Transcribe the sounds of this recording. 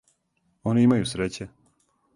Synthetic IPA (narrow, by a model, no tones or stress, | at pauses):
oniimajusɾet͡ɕe